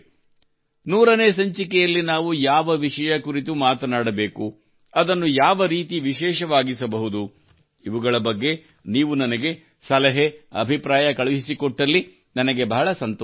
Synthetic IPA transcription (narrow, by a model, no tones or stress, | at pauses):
nuːɾɐneːs̬ɐɲt͡ʃikɛjɐlːinaːʋujaːʋɐʋiʃɐjɐkuɾit̪umaːt̪ɐnaːɽɐbeːku | ɐd̪ɐnːujaːʋɐɾiːt̪iʋiʃɛːʃɐʋaːɡisɐbɐɦud̪u | iʋuɡɐɭɐbɐɡːe̞ | niːʋunɐnɐɡe̞ | sɐlɐɦeɐ̰bʱipɾaːjɐkɐɭɐɦisikoʈːɐlːi | nɐnɐɡe̞bɐɦɐɭɐsɐnt̪ː